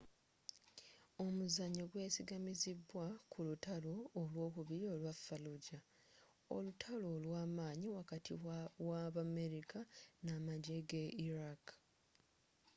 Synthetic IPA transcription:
o̞muzaɲːoɡwe̞ːsiɡamizibːwakʰulutalo̞ːlwo̞ːkuβiɾio̞lwafːaluɟa | o̰lutʰalo̞ːlwaːmaːɲiwakatʰiwaβame̞ɾikanamaɟeɡeʔiɾak

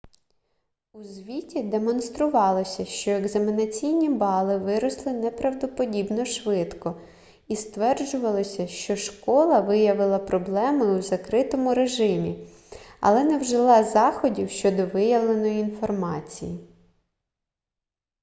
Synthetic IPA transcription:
uzʲʋʲitʲid̪e̞mɔnst̪ɾʊʋɑlˠɔsʲɐʃt͡ʃɔeɡzɐmʲinɐt͡sʲijnʲibɑlˠɪʋɪɾɔslˠɪnɛpɾɐwd̪ɔpɔdʲibnɔʃʋɪt̪kɔ | ist̪ʋɛrd͡ʒʊʋɐlˠɔsʲɐʃt͡ʃɔʃkɔlˠɐʋɪjɐʋɪlˠɐpɾɔblˠɛmɪwzɐkɾɪt̪ɔmʊɾeʒɪmʲi | ɐ̰lˠɛnɛwʒɪlˠɑzɑxɔdʲiwʃt͡ʃɔd̪ɔʋɪjɐʋlˠe̞nɔjiinfɔrmɑt͡sʲḭji

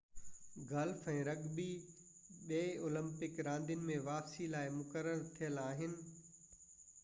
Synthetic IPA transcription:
ɡɐlfɛ̃ːɾɐɡbi | ɓeːoːlə̃mpɪkɾãːnd̪ijʊnɪ̆mẽʋaːpsilaːɪmʊkəɾəɾt̪ʰijəlaːɦɪnɪ̆

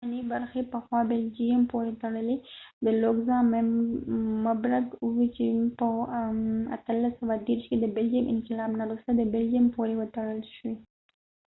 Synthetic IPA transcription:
anibaɾxepəxwɑbeld͡ʒiampoɾet̪aɽəled̪əloɡzɑ | mabɾaɡuwit͡ʃepə | a̰t̪əlːasawad̪eɾʃked̪əbeld͡ʒimʔɪ̰nqɪlɑbnaɾust̪ad̪əbeld͡ʒiampoɾewət̪aɽəlʃwi

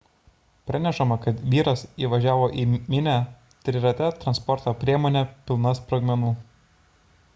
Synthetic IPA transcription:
pʲɾʲɑnʲɛʃɐmɐkɐt̪ʋʲiːɾɐsiːʋɐʒʲæːʋoːʔiːmʲɪnʲæ | t̪ʲɾʲɪɾɐt̪ʲɛt̪ɾɐnspɔɾt̪oːpʲɾʲiɛmoːnʲɛpʲɪlˠnɐspɾɐɡmʲɛnuː

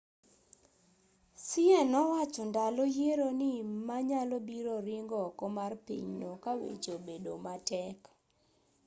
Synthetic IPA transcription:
sɪɛnɔwat͡ʃɔndalɔjeɾonɪmaɲalɔbiɾoɾɪŋɡɔkɔmarpḭɲnokawḛt͡ʃobedo̰matɛk

